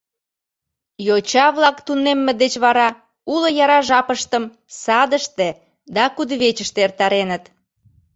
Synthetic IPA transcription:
jot͡ɕɑβlɑkt̪unemːed̪et͡ɕβɑɾɑ | uləjɑɾɑʒɑpəʃt̪əm | sɑd̪əʃt̪e | d̪ɑkud̪βet͡ɕəʃt̪eert̪ɑɾenət̪

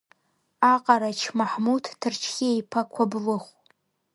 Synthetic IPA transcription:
aqʼaɾat͡ʃʰmaħmutʰtʰɨrt͡ʃʰɡʲɪejpʰakʷʰablɨχʷ

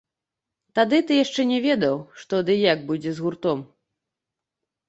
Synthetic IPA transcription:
t̪ad̪ɨt̪ɨjaʂt͡ʂɛnʲɛvʲɛd̪ɐwʂt̪ɔd̪ɨjaɡ̚bud͡zʲɛzɣurt̪ɔm

